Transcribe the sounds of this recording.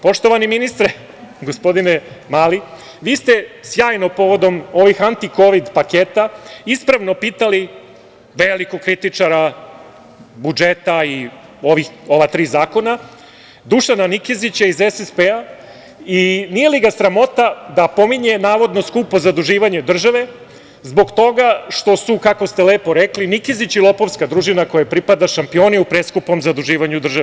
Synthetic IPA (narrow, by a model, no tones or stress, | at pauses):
po̞ʃt̪o̞ʋaniminist̪ɾe | ɡo̞spo̞d̪inemali | ʋiːst̪e̞sjaːjno̞po̞ʋo̞d̪o̞mo̞ʋixant̪iko̞ʋid̪pakeːt̪aispɾaʋno̞piːt̪ali | ʋeːlikokɾit̪it͡ʂaɾa | bud͡ʒet̪ai | o̞ʋixo̞ʋat̪ɾiːzaːko̞na | d̪uʃananikizit͡ɕaizesespea | inijeliɡasɾamo̞t̪ad̪apo̞miɲe̞naːʋo̞d̪no̞skupo̞zad̪uʒiːʋaɲed̪r̩ʒaʋe̞ | zbo̞ɡt̪o̞ɡaʃt̪o̞sukako̞st̪eleːpo̞ɾeklinikizit͡ɕilˠo̞po̞ʋskad̪ɾuʒinako̞japɾipad̪aʃampio̞ːniupɾeskupo̞mzad̪uʒiːʋaɲud̪r̩ʒaʋe